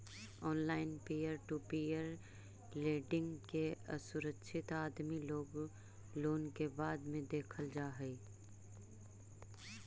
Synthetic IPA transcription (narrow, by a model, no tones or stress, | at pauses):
ɔːnlaːɪnpiːəɾʈupiːəɾ | leːɖɪ̃ŋɡkeə̰sʊɾəkʃʰɪt̪aːd̪miloːɡ | loːnkebaːd̪mẽd̪eːkʰəld͡ʒaːɦɛi